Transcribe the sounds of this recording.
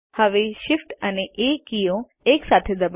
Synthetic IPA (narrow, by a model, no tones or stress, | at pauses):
həʋeʃɪfʈəneʔekijõ | eksat̪ʰed̪əb